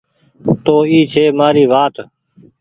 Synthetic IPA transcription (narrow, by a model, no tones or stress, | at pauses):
t̪oːiːt͡ʃʰeːmaːɾiːʋaːt̪